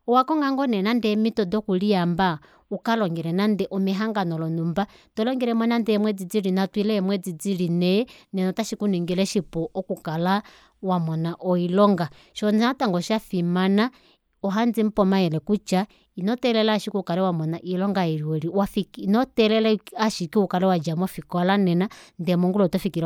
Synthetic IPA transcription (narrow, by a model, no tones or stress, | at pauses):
ɔwakɔŋɡaŋɡɔnɛnandɛmitɔdɔkulijamba | ukalɔŋɡɛɾɛnandɛʔɔmɛɦaŋɡanɔlɔnumbatɔlɔŋɡɛɾɛmɔnandɛɛmwɛd͡zid͡zilinatwilɛɛmwɛd͡zid͡zilinɛnɛnɔtaʃikuniŋɡilɛʃipɔʔɔkukala | wamɔnaʔɔilɔŋɡa | ʃɔnataŋɡɔʃafimana | ɔɦand͡zim̩pɔmajɛlɛkut͡ʃa | inɔtɛlɛlaʃikukalɛwamɔnaʔilɔŋɡaɛɾiɔɾiwafikinɔtɛlɛlɛaʃikiukalɛwad͡ʒamɔfikɔlanɛnandɛmɔŋɡulɔtɔfikil